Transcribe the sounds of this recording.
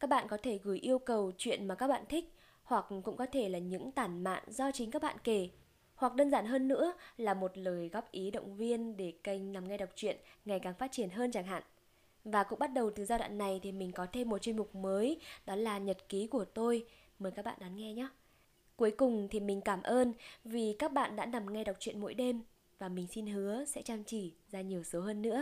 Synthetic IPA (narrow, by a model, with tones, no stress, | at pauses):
kaː˦˥k̚ɓa̰ː˧˨nkɔ˨˦t̪ʰe˧˩ɣɨ˧˩jʔi˧əwkə˨˩wt͡ɕwḭ˧˨ənmaː˨˩kaː˦˥k̚ɓa̰ː˧˨nt̪ʰï˦˥k̚ | hwa˨˩k̚kʊ̰˧˥ŋ͡mkɔ˨˦t̪ʰe˧˩laː˨˩ɲɨ̰˧˥ŋt̪aː˧˩nma̰ː˧˨nzɔ˧t͡ɕï˨˦ŋkaː˦˥k̚ɓa̰ː˧˨nke˧˩ | hwa˨˩k̚ɗəː˧nzaː˧˩nɦəː˧nːɨ̰˧˥əlaː˨˩mo˨˩t̚ləː˨˩jɣɔ˦˥p̚ʔi˨˦ɗə̰˧˨wŋ͡mvi˧ənɗe˧˩kə˧˩jŋ̟na˨˩mŋa˧jɗa˨˩wk͡p̚t͡ɕwḭ˧˨ənŋa˨˩jkaː˨˩ŋfaː˦˥t̚t͡ɕi˧˩ənɦəː˧nt͡ɕaː˧˩ŋɦa̰ː˧˨n | vaː˨˩kʊ̰˧˥ŋ͡mɓa˦˥t̚ɗə˨˩wt̪ɨ˨˩zaː˧ɗa̰ː˧˨nːa˨˩jt̪ʰi˨˩mï˨˩ŋ̟kɔ˨˦t̪ʰe˧mːo˨˩t̚t͡ɕwnmʊ˨˩k͡p̚məː˨˦jɗɔ˨˦laː˨˩ɲə˨˩t̚ki˨˦ku˧˩ət̪o˧j | məː˨˦jkaː˦˥k̚ɓa̰ː˧˨nɗa˨˦nŋɛ˧ɲa˨˦ | ku˨˦əjkʊ˨˩ŋ͡mt̪ʰi˨˩mï˨˩ŋ̟kaː˧˩mʔəː˧nvi˨˩kaː˦˥k̚ɓa̰ː˧˨nɗa̰ː˧˥na˨˩mŋa˧jɗa˨˩wk͡p̚t͡ɕwḭ˧˨ənmo̰˧˥jɗe˧m | vaː˨˩mï˨˩ŋ̟si˧nɦɨ˨˦əsɛ̰˧˥t͡ɕaː˧mt͡ɕi˧˩zaː˧ɲi˨˩əwsə˨˦wɦəː˧nːɨ̰˧˥ə